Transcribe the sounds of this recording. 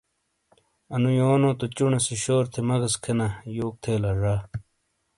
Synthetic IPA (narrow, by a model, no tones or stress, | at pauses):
ɐnujoːnoːt̪ot͡ɕuɳesiɕoːɾt̪ʰemɐɣɐskʰenɐjoːk̚t̪ʰeːlɐɾaː